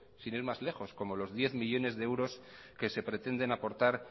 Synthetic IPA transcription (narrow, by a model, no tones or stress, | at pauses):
siniɾmazle̞xo̞sko̞mo̞lo̞zðje̞θmiʎo̞ne̞zðeewɾo̞s | ke̞se̞pɾe̞t̪e̞nd̪e̞napo̞ɾt̪aɾ